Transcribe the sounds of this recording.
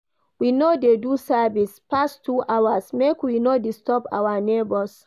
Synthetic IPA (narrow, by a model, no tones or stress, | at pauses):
winodedusavispastʰuʔawasmekwinodistɔpa̰wanebɔs